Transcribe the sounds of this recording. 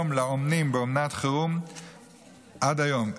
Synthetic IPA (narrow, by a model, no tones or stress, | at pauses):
mlaomnimbeomnat̪χeʁum | ʔad̪ajom